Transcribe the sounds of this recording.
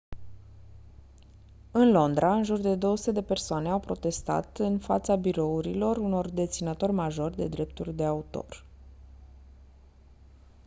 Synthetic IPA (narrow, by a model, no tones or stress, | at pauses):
ɨnlo̞nd̪ɾaɨnʒurd̪e̞d̪o̞oəsu̥t̪e̞d̪e̞pe̞rsoane̞awpɾo̞t̪e̞st̪a̰t̪ɨnfa̰t̪sabiɾo̞uɾilo̞runo̞rd̪e̞t̪sinət̪o̞rʲmaʒo̞rʲd̪e̞d̪ɾe̞p̚t̪urʲd̪e̞aut̪o̞̰r